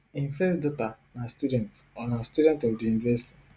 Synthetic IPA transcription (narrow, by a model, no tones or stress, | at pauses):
ĩnfɛsdɔtanastudɛ̃ntsɔnãstudɛ̃ntɔwdijunivɛsi̥ti̥